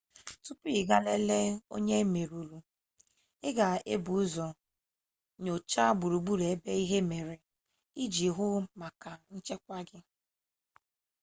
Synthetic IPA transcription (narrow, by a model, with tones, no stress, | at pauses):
tu˦pi˦˨ɡa˦le˦le˦o̰˦ɲe˦me˨ɾu˨ɾu˨ | ɪ˦ɡa˨e˦bu˨u˦zɔ˨ | ɲo˨t͡ʃa˦ɡ͡bu˨ɾu˨ɡ͡bu˦ɾe˨e˦be˦i˦ɦe˦me˨ɾe˨ | i˦d͡ʒi˨ɦʊ˦ma˨ka˨n̩˦t͡ʃe˦kʷa˦ɡɪ˦